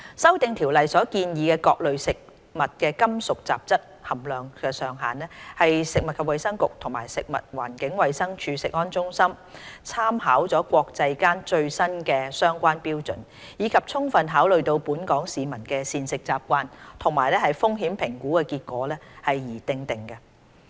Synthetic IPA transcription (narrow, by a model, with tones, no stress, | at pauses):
sɐ˥wt̪ɪ˨ŋt̪ʰiː˨˩wlɐ˨jsɔː˨˥kiː˧njiː˨kɛː˧kɔː˧k̚lɵ˨ɥsɪ˨k̚ | mɐ˨t̚kɛː˧kɐ˥msʊ˨k̚t͡sa̰ː˨p̚t͡sɐ˥t̚hɐ˨˩mlœː˨ŋkɛː˧sœː˨ŋɦa̰ː˨˩nlɛ˥hɐ˨jsɪ˨k̚mɐ˨t̚kʰɐ˨p̚wɐ˨jsɐ˥ŋkʊ˨k̚t̪ʰʊ˨˩ŋmaː˨˩jsɪ˨k̚mɐ̰˨t̚waː˨˩nkɪ˨˥ŋwɐ˨jsɐ˥ŋt͡ʃʰyː˧sɪ˨k̚ŋɔː˥nt͡sʊ˥ŋsɐ˥m | t͡sʰaː˥mɦaː˨˥wt͡sɔː˨˥kʷɔː˧k̚t͡sɐ˧jkaː˥nt͡ʃɵ˧ɥsɐ˥nkɛː˧sœː˥ŋkʷaː˥npiː˥wt͡sɵ̰˨˩n | jiː˨˧kʰɐ˨p̚t͡sʰʊ˥ŋfɐ˨nɦaː˨˥wlɵ˨ɥt̪o˧wpuː˨˥nkɔː˨˥ŋsiː˨˧mɐ˨˩nkɛː˧siː˨˧nsɪ˨k̚t͡saː˧p̚kʷaː˧nt̪ʰʊ˨˩ŋmaː˨˩jlɛː˥hɐ˨jfʊ˥ŋɦiː˨˥mpʰɪ˨˩ŋkuː˨˥kɛ˧kiː˧t̚kʷɔ̰ː˨˥lɛː˥hɐ˨jjiː˨˩t̪ɪ˨ŋt̪ɪ˨˩ŋkɐ˧